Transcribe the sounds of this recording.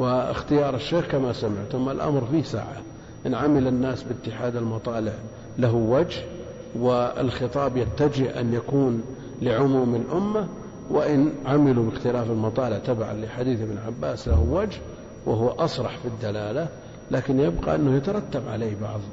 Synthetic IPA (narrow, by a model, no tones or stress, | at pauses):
wɪɪ̰xt̪ɪjɑːɾˤɪʃːeːxkamasamɪ̰ʕt̪ʊmalʔa̰mɾfisa̰ːʕa̰ | ʔɪnʕamɪlɪnːaːsbɪt̪ːɪħaːd̪almɑt̪ˤɑːlɪʕ | laɦuwad͡ʒh | wɪɪ̰lxɨt̪ˤɑːbjat̪ːad͡ʒɪhʔa̰njakuːn | lɪʕʊmuːmɪlʔʊmːa | wɪʔɪnʕamɪlubɪxt̪ɪlaːfalmɑt̪ˤɑːlɪʕt̪aba̰ʕa̰liħad̪iːθɪbnʕabːaːslahwad͡ʒh | wɪɦʊwːʔɑsˤɾˤɑħfid̪ːalaːla | laːkɪnjɪbqɑ̰ʔɪnːʊhjat̪ɑɾˤɑt̪ːabʕa̰leːhbɑ̰ʕðˤ